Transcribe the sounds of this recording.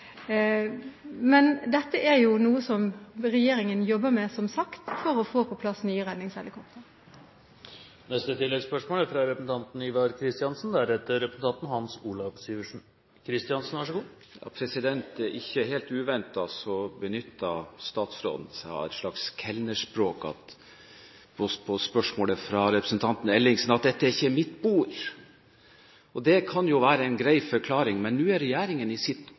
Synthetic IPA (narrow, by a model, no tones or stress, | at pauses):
mɛnd̪ɛt̪ːəʔæɾjʊnuːəsɔmɾɛjeːɾɪŋənjɔbːəmɛsɔmsɑkt̪fɔɾɔfoːpʰɔpʰlɑsnyːəʁɛd̪nɪŋshɛlɪkʰɔp̚t̪ʰəɾ | nɛst̪ət̪ɪlːɛɡspœʂmoːlæfɾɑɾɛpəsn̩t̪ɑnt̪n̩iʋɑɾkʰɾɪst̪ɪɑnsn̩d̪ɛæɾɛt̪ːəɾɛpɾəsn̩t̪ɑnt̪n̩hɑnsuːlɑʋsiːʋəʂn | kʰɾɪst̪ɪɑnsn̩ʋæʂəɡuː | jɑ̰ːpʰɾɛsɪd̪ɛnt̪ɛɾʔɪçːəɦeːlt̪ʉːʋɛnt̪ɑsɔbənʏt̪ʰːɑst̪ɑːt̪sɾo̰ːd̪n̩sæɑ̰ɛ̰t̪ʂɭɑkskʰɛlnəʂpɾoːkɑ̰t̪ | pʰɔpʰɔspœʂmoːləfɾɑɾɛpɾəsnt̪ʰɑnt̪n̩ɛlːɪŋsn̩ɑt̪̚d̪ɛt̪ːəæɾɪçːəɾmɪt̪buːɾ | ɔd̪ɛkʰɑnjʊʋæːɾəɛɪnɡɾæɪfœɾkʰlɑːɾɪŋmɛnːʉːæɾɛjæːɾɪŋənɪsɪt̪